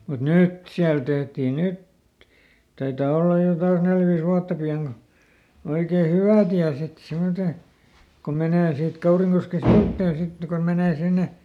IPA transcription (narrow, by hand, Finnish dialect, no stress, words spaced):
mut nyt siæl tehtiː nyt tɑitɑː olːɑj jo kɑns nel ʋiːs wuɑtːɑ piɑŋ ko oikeː hywæˑ tiæ sit simːote kom meneˑ siːt kɑuriŋkoske siutːeˑn̞ sit kon meneː sinːe